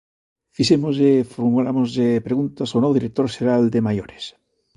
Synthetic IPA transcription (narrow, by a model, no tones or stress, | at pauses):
fisemozefoɾmulamozðepɾeɣunt̪asonoðiɾek̚t̪oɾʃeɾald̪emajoɾes